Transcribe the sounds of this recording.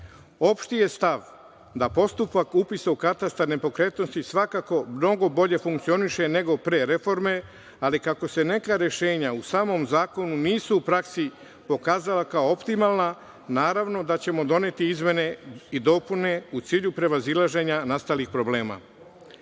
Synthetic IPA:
o̞pʃt̪ije̞st̪aʋ | d̪apo̞st̪upakupisaukat̪ast̪aɾnepo̞kɾe̞ːt̪no̞st̪isʋakako̞mno̞ɡo̞bo̞ʎe̞fuŋk̚t̪sio̞niʃe̞ne̞ɡo̞pɾe̞ɾe̞fo̞ɾme̞ | alikako̞se̞ne̞kaɾje̞ʃe̞ːɲausaːmo̞mzaːko̞nuniːsuːpɾaksi | po̞kaːzalakaoopt̪imalˠna | naːɾaʋno̞d̪at͡ɕe̞mo̞d̪o̞ne̞t̪iizme̞ne̞id̪o̞ːpune̞ut̪siːʎupɾe̞ʋazilˠaʒe̞ɲanast̪alixpɾo̞ble̞ːma̰

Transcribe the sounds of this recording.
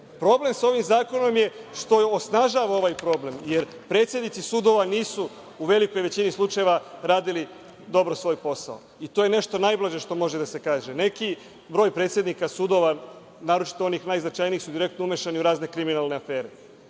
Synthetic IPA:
pɾo̞ble̞mso̞ʋimzaːko̞no̞mje̞ʃt̪o̞osnaʒaːʋao̞ʋajpɾo̞ble̞mjeɾpɾe̞t̪sjed̪nit̪sisuːd̪o̞ʋaniːsuː | uʋe̞liko̞jʋe̞t͡ɕinislˠut͡ʃajeʋaɾaːd̪ili | d̪o̞bɾosʋo̞jpo̞sa̰o | it̪ojene̞ʃt̪o̞najblˠaʒe̞ʃt̪o̞mo̞ʒed̪asekaːʒene̞ki | bɾo̞ːjpɾet̪sje̞d̪nikasud̪o̞ʋa | naːɾo̞t͡ʃi̥t̪oo̞niːxnajznat͡ʃaːjniixsud̪iɾe̞kt̪noumeʃaniuɾaːzne̞kɾiminalne̞afe̞ːɾe̞

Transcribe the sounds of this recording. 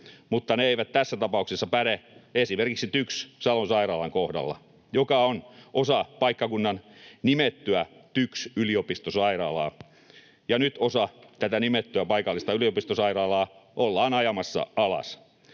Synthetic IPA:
mut̪ːɑneeiʋæt̪t̪æsːæt̪ɑpɑuksesːɑpæɾeesimerkiksit̪ykssɑlonsɑirɑːlɑŋkohdɑ̰lːɑ̰ | jokɑonʔosɑpɑikːɑkunːɑnnimet̪ːyæt̪yksyliopist̪osɑiɾɑːlɑ̰ː | jɑnyt̪osɑt̪æt̪ænimet̪ːyæpɑikɑlːist̪ɑyliopist̪osɑirɑːlɑːʔolːɑːnɑjɑmɑsːɑ̰ɑlɑ̰s

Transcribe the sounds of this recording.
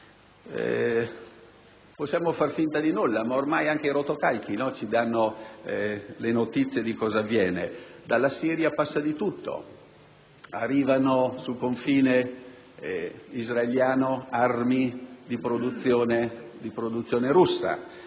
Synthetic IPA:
ɛ̰ | posːjaːmofarfint̪ad̪inulːamaormajaŋk̟eiɾot̪okalk̟inɔt͡ʃid̪anːo | lenot̪it̪sːjed̪ikɔːzavːjɛːned̪alːasiːɾjapasːad̪it̪ut̪ːo̰ | arːiːvanosulkoɱfiːne | izraeljaːnoarmid̪ipɾod̪ut̪sːjoːned̪ipɾod̪ut̪sːjoːneɾusːa̰

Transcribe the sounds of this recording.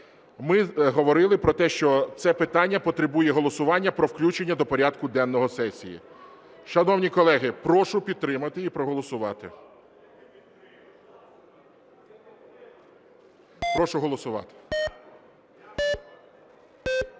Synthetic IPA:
mɪɦɔʋɔɾɪlˠɪpɾɔt̪ɛʃt͡ʃɔt̪sɛpɪt̪ɑnʲːɐpɔt̪ɾɪbujɛɦɔlˠɔsʊʋɑnʲːɐpɾɔwklʲut͡ʃe̞nʲːɐd̪ɔpɔɾʲɑd̪kʊd̪ɛnːɔɦɔsɛsʲḭjḭ | ʃɐnɔwnʲikɔlˠɛɦɪpɾɔʃʊpʲid̪̚t̪ɾɪmɐt̪ɪipɾɔɦɔlˠɔsʊʋɑt̪ɪ | pɾɔʃʊɦɔlˠɔsʊʋɑ̰t̪ɪ̥

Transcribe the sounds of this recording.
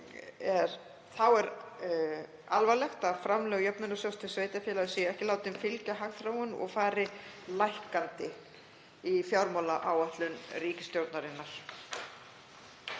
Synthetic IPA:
ɛɾ | θawɛɾ | alvalɛxt̪aðfɾamlɛːɣjœpnʏnʏsjawst̪ʰɪlsveːjt̪afjɛːlaðʏsiɛhcɪlaːwt̪ɪnfɪlcaɦaɣθɾawʏnɔ̰ɣfaːɾɪlajhkant̪ɪ | ifjawɾmalaʔawaht̪lʏnriːcɪ̥st̪jowt̪naɾɪnːaɾ̥

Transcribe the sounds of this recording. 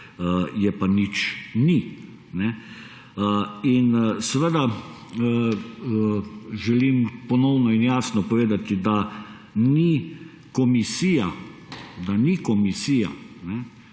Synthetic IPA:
jɛpanit͡ʃni | nɛ | insɛʋəd̪a | ʒɛlimpɔnɔwnɔinjaːsnɔpɔʋeːd̪at̪id̪a | ni | kɔmisija | d̪anikɔmisiːja̰nɛ

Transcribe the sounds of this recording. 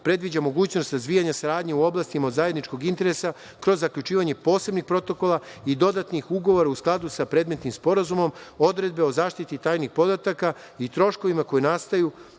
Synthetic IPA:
pɾe̞d̪ʋid͡ʑamo̞ɡuːt͡ɕno̞st̪ɾazd̪ʋiːjaɲasaɾaːd̪ɲeuo̞blˠast̪imaod̪zajed̪nit͡ʃko̞ɡint̪e̞ɾe̞sa | kɾo̞zːakʎʲut͡ʃiːʋaɲe̞po̞ːse̞bnixpɾo̞t̪o̞ko̞lˠaid̪o̞d̪at̪nixuɡo̞ʋo̞ɾausklˠad̪usapɾeːd̪me̞t̪nimspo̞ɾazumo̞mo̞d̪ɾe̞d̪̚be̞o̞zaːʃt̪it̪it̪aːjnixpo̞d̪at̪aka | it̪ɾo̞ʃko̞ʋimako̞jenast̪aju

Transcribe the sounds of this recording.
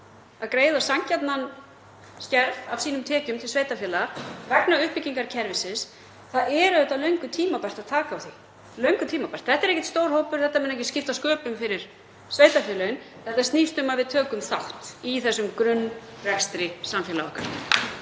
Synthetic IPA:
aðkɾeːjðasaɲcat̪nan | scɛɾvavsiːnʏmt̪ʰɛːcʏmt̪ʰɪlsveːjt̪afɛːlaɾvɛknaʏhpɪciŋkaɾcʰɛɾvɪsɪs | θaðɛɾʏðɛht̪alœɥŋkʏt̪ʰiːmapar̥t̪aðt̪ʰaːkaawθi | lœɥŋkʏt̪ʰiːmapḁt̪θɛht̪aɾehcɛt̪st̪owɾ̥howpʏɾ̥θɛht̪ːamɛnaɛhcɪscɪft̪askœːpʏmfɪɾɪɾ̥ | sveːjt̪afjɛːlʏɪn | θɛht̪ast̪nist̪ʏmaðvɪðt̪ʰœːkʏmθawht̪iθɛsːʏmkɾʏnːrɛkst̪ɾɪsamfjɛːlaɔ̰hka̰ɾ

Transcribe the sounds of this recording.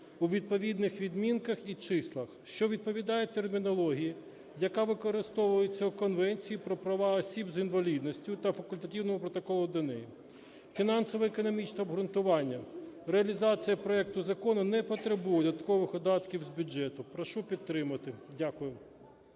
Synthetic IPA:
uʋʲid̪̚pɔʋʲid̪nɪxʋʲid̪mʲinkɐxit͡ʃɪslˠɐxʃt͡ʃɔʋʲid̪̚pɔʋʲid̪ɑjet̪ermʲinɔlˠɔɦʲijɐ | jɐkɑʋɪkɔɾɪst̪ɔʋʊjet͡sʲːɐukɔnʋɛnʲt͡sʲijipɾɔpɾɐʋɑɔsʲibzinʋɐlʲid̪nɔsʲtʲʊt̪ɐfɐkʊlʲt̪ɐtʲiwnɔmʊpɾɔt̪ɔkɔlˠʊd̪ɐnɛji | fʲinɑnsɔʋɔekɔnɔmʲit͡ʃnɛɔbɦɾʊnt̪ʊʋɑnʲːɐreɐlʲizɑt͡sʲijɐpɾɔɛk̚t̪ʊzɐkɔnʊnɛpɔt̪ɾebujɛd̪ɐt̪kɔʋɪxɔd̪ɑt̪kʲiwzbʲʊd͡ʒɛt̪ʊpɾɔʃupʲid̪t̪ːɾɪmɐt̪ɪdʲakʊjʊ

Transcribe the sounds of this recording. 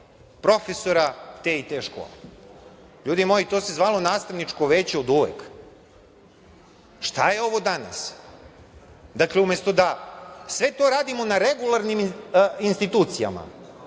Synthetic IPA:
pɾo̞fesoɾat̪eːit̪eːʃko̰ːle | ʎuːd̪imojit̪o̞sezʋaːlˠo̞naːst̪aʋnit͡ʂkoʋeːt͡ɕeod̪uʋḛk | ʃt̪ajeo̞ʋo̞d̪ana̰s | d̪akleumest̪od̪asʋet̪o̞ɾaːd̪imo̞naɾeɡulˠaɾniminst̪it̪uːt̪sija̰ma̰

